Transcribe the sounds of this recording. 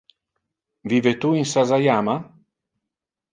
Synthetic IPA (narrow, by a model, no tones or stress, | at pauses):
viːvet̪uinsazajaːma